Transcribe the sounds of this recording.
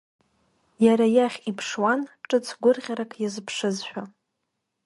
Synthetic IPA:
jaɾajaχʲipʰʂwanʈ͡ʂʼɨt͡sʰɡʷʊrʁʲaɾakʼʰjazɨpʰʂɨzʃᶣa

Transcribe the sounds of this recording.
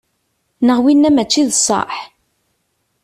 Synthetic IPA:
nəʁwinːæmæt͡ʃːiðsˤːɑ̰ħ

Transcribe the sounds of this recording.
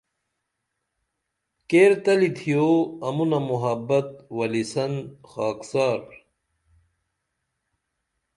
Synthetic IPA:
keːɾt̪ɐlit̪ʰijoːɐmunɐmuɦɐbːɐt̪̚wɐlisɐnxaːksaːɾ

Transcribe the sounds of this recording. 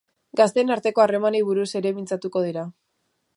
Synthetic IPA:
ɡast̪e̞ːnaɾt̪e̞ko̞are̞maniβ̞uɾuse̞ɾe̞mint͡sat̪uko̞ð̞iɾa

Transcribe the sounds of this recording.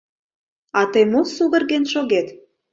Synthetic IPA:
ɑt̪əjmosuɣə̆rɣenʃoɣet̪

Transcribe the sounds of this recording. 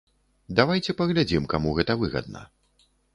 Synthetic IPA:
d̪avajt͡sʲɛpɐɣlʲad͡zʲimkamuɣɛt̪ɐvɨɣɐ̰d̪̚nɐ̰

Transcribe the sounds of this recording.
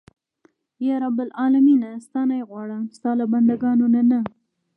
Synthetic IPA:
jɑɾabʊlɑlaminast̪ɑnajɣwɑɽast̪ɑlaband̪aɡɑnonana

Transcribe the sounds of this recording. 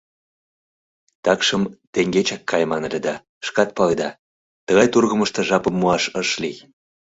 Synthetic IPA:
t̪ɑkʃəmt̪eŋɡet͡ɕɑkːɑjmɑnelʲed̪ɑ | ʃkɑt̪̚pɑled̪ɑ | t̪əɣɑjt̪urɣəməʃt̪ə̆ʒɑpəmːuɑʃəʃlij

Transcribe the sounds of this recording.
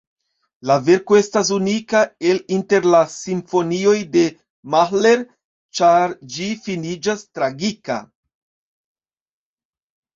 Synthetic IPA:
lave̞ɾkoe̞stas̬unikae̞linte̞ɾlasiɱfo̞nio̞jde̞ | maxle̞ɾ | t͡ʃaɾd͡ʒifinid͡ʒastɾaɡika̰

